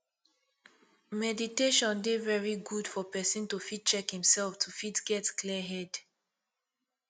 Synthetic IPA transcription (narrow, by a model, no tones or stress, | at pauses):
mɛditeʃɔ̃ndevɛɹiɡud̥fɔpɛsĩntufit̚t͡ʃɛkhĩmsɛlftʰufitɡ̥ɛtkʰliɦɛd